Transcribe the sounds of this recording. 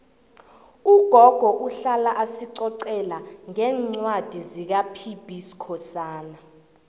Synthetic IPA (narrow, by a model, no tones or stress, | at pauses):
uɡ̥ʱɔɡ̥ʱɔʔuɬalaʔasiǀɔǀɛlaŋɛːŋ͡ǀwad̥ʱizik̬apʰib̥ʱisi̥kʰɔsaːna